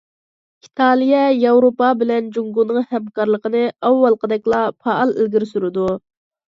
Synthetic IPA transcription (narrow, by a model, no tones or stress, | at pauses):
it̪ʰɑlˠijɛjɑwɾopɑbɪlɛnd͡ʒuŋɡunɨŋhɛmkɑɾlˠəqənɨɑwːɑlˠqəd̪ɛkʲlˠɑpʰɑɑlˠɪ̰lɡʲiɾsyɾɨd̪u